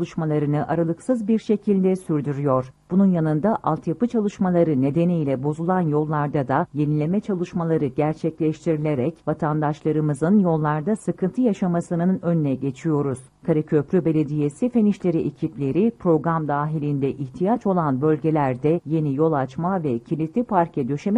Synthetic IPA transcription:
lˠɯʃmalˠaɾɯnɯʔaɾalˠɯksɯzbiɾʃe̞cʰilʲd̪ɛsyɾd̪yɾyjo̞ɾ̥b̥ununjanɯnd̪aʔalˠt̪ʰjapɯt͡ʃʰalˠɯʃmalˠaɾɯne̞d̪e̞nijlʲɛbo̞zulˠanjo̞lˠːaɾd̪ad̪aje̞nilʲe̞mɛt͡ʃʰalˠɯʃmalˠaɾɯɟæɾt͡ʃʰɛclʲɛʃt̪ʰiɾilʲe̞ɾɛcvat̪ʰand̪aʃlˠaɾɯmɯzɯnjo̞lˠːaɾd̪asɯkʰɯnt̪ʰɯjaʃamasɯnɯnønynɛɟe̞t͡ʃʰijo̞ɾuz̥kʰaɾicʰø̞pɾʲybe̞lʲe̞d̪ije̞sife̞niʃlʲe̞ɾiʔecʰiplʲe̞ɾipʰɾo̞ɡɾamd̪aːɦilʲind̪ɛʔiçt̪ʰijat͡ʃʰo̞lˠanbø̞lʲɟe̞lʲæɾd̪ɛje̞nijo̞lˠat͡ʃmavɛcʰilʲit̪lʲipʰaɾcʰɛd̪ø̞ʃem

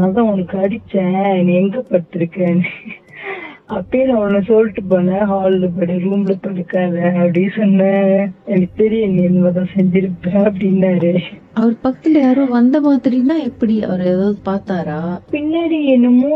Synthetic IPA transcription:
naːt̪ãːɔnɐkːɯɐɽɪt͡ʃːɛ̃ːɛnːɛŋɡɐpɐɽɯt̪ːɯɾɯkːɛ̃ːn | ɐpːejnãːɔnːɐsɔlʈːɯpɐːnːɛ̃ɦaːllɯp̬ɐɽiɾuːmlɐp̪ɐɽɯkːaːðɐɐpːɐɽɪesɔnːɛɛnɐkːt̪ɐɾiɛnːiɛnːɐmɐt̪̬ãːsɛɲd͡ʒɪɾɯpːɛ̃ɐpːɐɽɪnːaːɾeʔɐʋɐɾpɐkːɐ̥t̪ːɪlɐjaːɾõːʋɐnd̪ɐmaːðɪɾinãːɛpːɐɽiɐ̰ʋɐɾeːðaːðɯpaːɾt̪aːɾaːpɪnːaɾiɛnːɯmõ

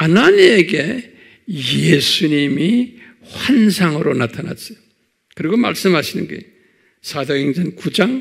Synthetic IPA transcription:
ananieɡe̞ | jesʰuɲimi | hwansʰaŋɯɾonatʰana̰t͡ɕi | kɯɾiɡoma̰ɭs͈ɯmɦhaɕʰinɯnɡḛ | sʰad̪ojeŋd͡ʑankud͡ʑaŋ

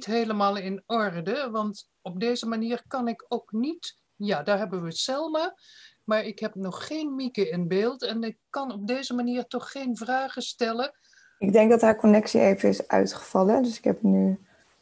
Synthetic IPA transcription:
tɦejləmaːlˠɪnɔrdəʋɑnt | ɔb̚dejzəmaniːɹkɑnɪkowknit | jaːdaːɹɦɛbəʋəsɛlˠmaː | maːɹɪkɦɛp̚nɔχχejnmikəɪnbeːlˠtɛnɪkːɑnɔb̚dejzəmaniːɹtɔχːejnvraːχəstɛlə | ɪɡ̚dɛŋɡ̚dɑtɦaːɹkɔnɛksḭejvənɪsʔœ̰ɥtχə̥v̥ɑlədøsɪ̥kɦɛpny

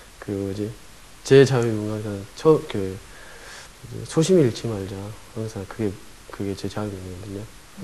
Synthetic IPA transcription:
kɯɾiɡoid͡ʑe̞ | t͡ɕe̞t͡ɕawimuŋaŋsʰant͡ɕʰʌke | id͡ʑḛsʰoɕʰimiiɭt͡ɕʰimaɭd͡ʑahaŋsʰaŋkɯɡe̞ | kɯɡe̞t͡ɕe̞t͡ɕawimuŋɯɡʌdɯɲo

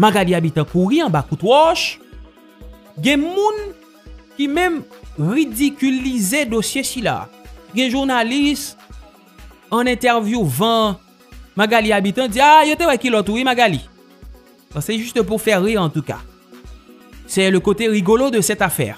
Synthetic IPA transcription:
maɡaliabit̪ɑ̃kuʁiɑ̃bakut̪wɔʃ | ɡɛ̃mũn | kimɛ̃mʁid̪ikʲylized̪osjesila̰ɡɛ̃ʒuʁnalist̪ | ɑ̃nɛ̃t̪ɛʁvjuvɑ̃ | maɡaliabit̪ɑ̃d͡ziajot̪ewɛkilɔt̪uʁimaɡali | pasɛʒyst̪əp̬uʁfɛʁːiʁɑ̃t̪uka̰ | sɛləkot̪eʁiɡolod̪əsɛt̪afɛ̰ːʁ

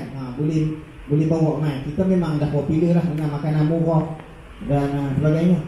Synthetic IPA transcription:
abolɪh | bolɪhbawɔʔmaikit̪amemaŋdahbopiləhlahsənamakajnamuɣɔʔ | danasəbaɡajɲə

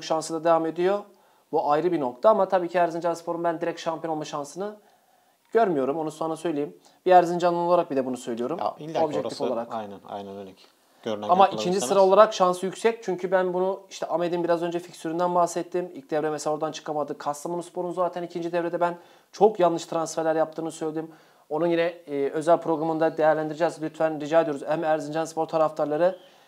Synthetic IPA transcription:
kʃansɯd̪ˠad̪evame̞d̪ijo̞ | buʔajɾɯbino̞k̚t̪ʰaamat̪ʰabiːcʰiæɾzind͡ʒanspʰo̞ɾumbænd̪iɾɛcʃampʰonolˠmaʃansɯnɯ | ɟ̥øɾmyjo̞ɾumonusonasøjlʲejim | b̥iæɾzind͡ʒanɯnolˠaɾak̚bid̪ɛbunusø̞jlʲijo̞ɾumiobʒɛct̪ʰifolˠaɾakj̪æna̰jnɛnɛ̥ | øɾnamaʔicʰind͡ʒisɯɾao̞lˠaɾakʃansɯjycsɛc̚t͡ʃʰyɲcʰybænbunuiʃt̪ʰɛʔamed̪imbiɾazø̞nd͡ʒɛficsyɾynd̪ænbahsɛt̪ʰːimḭlʲc̚d̪ɛvɾɛmɛselaoɾd̪ant͡ʃʰɯ̥kʰamad̪ɯkʰast̪amanunspʰo̞ɾunuzaːt̪ʰænicʰind͡ʒid̪ɛvɾed̪ɛbæn | t͡ʃʰo̞kjanˠːɯʃt̪ʰɾansfæɾlʲæɾjap̚t̪ʰɯːnɯsø̞jlʲeiim | o̞nunjinɛø̞zælʲpʰɾo̞ɡɾamɯnd̪ad̪e̞jæɾlʲænd̪iɾed͡ʒɛzlʲyt̪ʰfænɾid͡ʒaːd̪ioɾuzɛmæɾzind͡ʒanspʰo̞ɾt̪ʰaɾaft̪ʰaɾlˠaɾɯ

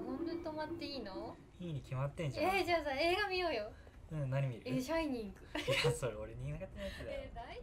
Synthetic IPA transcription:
ɡõnd̪ɯt̪omat̪ːe̞iːno | iɲʲikʲʰimat̪ːẽ̞ɲd͡ʑãed͡ʑaːsae̞ːɡamʲijo̞ːjo̞ | ɯ̃naɲ̟ʲimiɾɯeɕaiɲ̟ĩŋɡɯ̟asoɾeoɾeɲiɡaɡat̪enasd̪ed̪ai

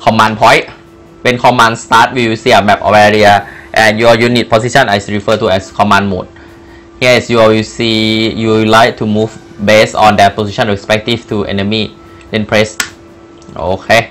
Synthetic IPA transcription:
kʰɔmãnpʰɔj | wenkʰɔmãnst̪aːt̪̚wiwisiamɛp̚ʔɔ̰wɛɹiaʔɛ̃njuɔjunit̪̚pʰosiʃɔnɛsɹifət̪ʰuɛskʰɔmãnmṵt̪̚ | hiɛsjuɔjusijulajk̚tʰumuf | besɔ̃ndɛt̚pʰosiʃʰɔ̃nɹespɛk̚tift̪ʰuʔḛnəmi | lẽnpʰɹes | ʔo̰kʰe

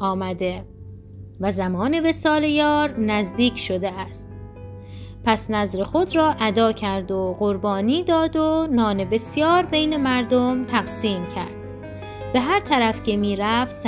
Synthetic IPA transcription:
ɒːmæd̪e̞ | væzæmɒːne̞ve̞sɒːlejɒːɾnæzd̪iːcʰʃo̞d̪eæst̪̚ | pʰæsnæzɾe̞xod̪ɾɒːʔæd̪ɒːcʰæɾd̪oɢoɾbɒːniːd̪ɒːd̪onɒːne̞be̞sjɒːɾbe̞jnemæɾd̪omt̪ʰæɣsiːmcʰæ̰ɾd̪̥̚ | be̞ɦæɾt̪ʰæɾæfce̞miːɾæfs

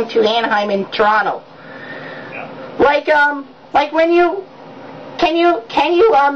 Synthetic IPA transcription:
ŋtʰɨæ̃nɦãɪ̃mɨ̃ntʰə˞ɑnoʊ | laɪkʌ̃m | laɪkwɨ̃njɨ | kʰɨ̃njɨkʰɨ̃njɨʌ̃m

